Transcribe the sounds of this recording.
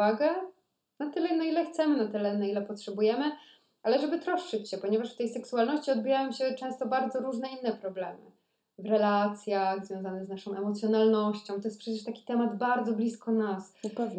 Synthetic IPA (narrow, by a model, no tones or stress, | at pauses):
aɡɛ | nat̪ɘlɛnailɛxt̪sɛmɘnat̪ɘlɛnailɛpɔtʂɛbujɛmɘ | ʔalɛʐɛbɘt̪ɾɔʂt͡ʂɘt͡ɕɕɛpɔɲɛvaʂft̪ɛjsɛksualnɔɕt͡ɕiɔd̪̚bijajɛmɕɛt͡ʂɛ̃w̃st̪ɔbaɾd̪zɔɾuʐnɛinːɛpɾɔblɛmɘ̰ | vɾɛlat̪sʲjaɣzvʲjɔ̃w̃zanɛznaʂɔ̃w̃ʔɛmɔt̪sʲjɔnalnɔɕt͡ɕɔ̃w̃t̪ɔjɛst̪pʂɛt͡ɕɛʂt̪akʲi̥t̪ɛmad̪baɾd̪zɔblʲiskɔnaspɛv